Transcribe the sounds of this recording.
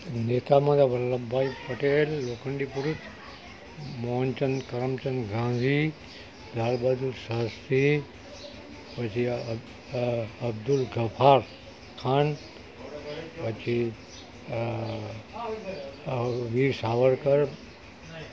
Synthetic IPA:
neːt̪amãd̪aʋɐɾlɐbaːipɐʈeːlːoːkəɳɖipuɾut͡ʃ | moːnt͡ʃɐnkɐɾəmt͡ʃɐnɡʱãːd͡zi | d̪aːlbaːd̪ulsɐɦst̪ʰi | pɐt͡ʃʰi | ɐbd̪ulɡʱɐpʰaːɾ | kʰaːn | pɐt͡ʃi | ʋiːɾsaːʋəɾkɐɾ

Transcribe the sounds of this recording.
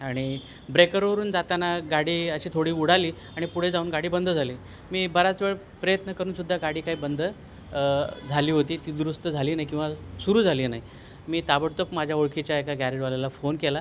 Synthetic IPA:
aɽ̃i | bɾekəɾʋəɾuːnd͡zat̪anaɡaɽiːəɕiːt̪ʰoɽ̤iːuɽ̤aliː | aɽ̃ipuɽ̤ed͡zauːnɡaɽiːbənd̪ʱəd͡zʱaliː | miːbəɾat͡sʋeɭ | pɾəjət̪nəkəɾuːnsud̪ʱːaɡaɽiːkaɦiːbənd̪ʱə | d͡zʱaliːɦot̪iːt̪iːd̪ɾust̪əd͡zʱaliːnaɦikĩw̃ʋasuɾuːd͡zʱaliːnaɦi | miːt̪abəɽt̪əpmad͡ʑʱjaoɭkʰit͡ɕjaekaɡæɾeʈʋalalafonkela

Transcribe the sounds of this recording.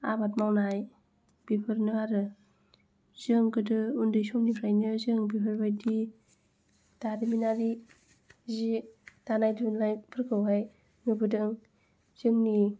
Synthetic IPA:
a̰bat̚mawnaj | b̥ipʰɯɾnɯaɾɯ | z̥ɯŋkɯdɯundɯjsɔmnipʰɾajnɯzɯŋbipʰɯɾbajdi | daɾiminaɾi | zid̥anajdɯnlajpʰɯɾkʰɯwɦaj | mɯbɯdɯŋ | z̥ɯŋni

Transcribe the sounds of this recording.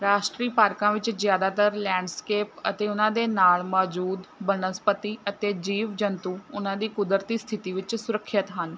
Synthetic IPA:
ɾaːʃʈɾiːpaːɾkãːʋɪt͡ʃzjaːd̪aːt̪əɾlɛ̃ːɳɖskeːpət̪eːʊnãːd̪eːnaːlmɔːd͡ʒuːd̪bənəspət̪iːət̪eːd͡ʒiːʋd͡ʒənt̪uːʊnãːd̪iːkʊd̪əɾt̪iːst̪ʰɪt̪iːʋɪt͡ʃsʊɾəkʰːət̪ɦən

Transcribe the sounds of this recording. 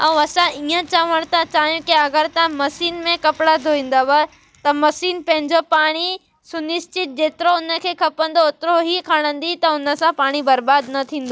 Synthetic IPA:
ɐ̃ũɐsãʔiə̃t͡ɕaːʋəɽ̃t̪ɐt͡ɕaːɦijũkiɐɡəɾt̪ãmɐsiːnmẽkɐpɽad̪ʱoʋĩːn̆d̪aʋa | t̪ɐmɐsiːnpɐ̃ɦɪ̃ɲd͡ʑopaːɽ̃i | sʊnɪʃt͡ɕɪt̪̚d͡ʑeːt̪ɪɾoʊnə̆kʰeːkʰɐpə̃nd̪oːt̪ɪɾoɦikʰaːɽ̃ə̃nd̪it̪ɐʊnə̆sãpaːɽ̃ibɐɾbaːd̪nɐt̪ʰĩːnd̪oː

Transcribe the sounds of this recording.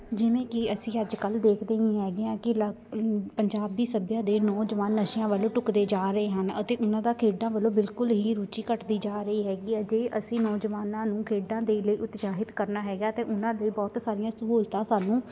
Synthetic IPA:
d͡ʒɪʋẽːkɪəsĩːəd͡ʒkəld̪eːkʰd̪eːĩːɦɛːɡɪãːkɪl | pəɲd͡ʒaːbiːsəbjãːd̪eːnɔːd͡ʒəʋaːnːəʃɪjãːʋəlõːʈʊkd̪eːd͡ʒaːɾəeːɦənə̰t̪eːʔʊnãːd̪aːkʰeːɖãːʋəlõːbɪlkʊlɦiːɾuːt͡ʃiːkəʈd̪iːd͡ʒaːɾəiːɦɛːɡiːɛːd͡ʒeːʔəsĩːnɔːd͡ʒʋaːnãːnũːkʰeːɖãːd̪eːləiːʔʊt̪saːɦɪt̪kəɾnaːɦɛːɡaːt̪ẽːʔʊnãːd̪ləiːbɔːt̪saːɾɪjãːsəɦuːlt̪ãːsaːnũː

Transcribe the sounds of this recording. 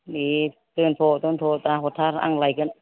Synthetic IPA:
ni | t̪ɨnt̪ʰot̪ont̪ʰot̪aːɦot̪ʰaɾa̰ŋlajkən

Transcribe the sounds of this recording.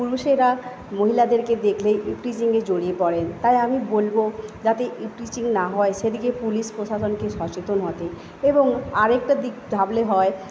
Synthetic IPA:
puɾuʃeɾa | moɦilad̪eɾked̪ekʰleʔipʈit͡ɕiŋɡed͡ʑoɽiepɔɾent̪ajamibolbod͡ʑat̪eʔipʈit͡ɕiŋnaɦɔeʃed̪ikepuliʃpɾoʃaʃonkeʃɔt͡ɕet̪onɦɔt̪e | eboŋaɾek̚ʈad̪ikd̪ʱableɦɔe

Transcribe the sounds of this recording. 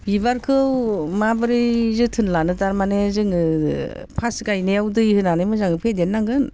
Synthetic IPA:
bibaɾkʰɯwmabɯɾizɯtʰɯnlanɯtaɾmanezɯŋɯ | pʰasɡajnejawdɯjhɯnanɯmɯzaŋɯpʰedenːaŋɡɯn

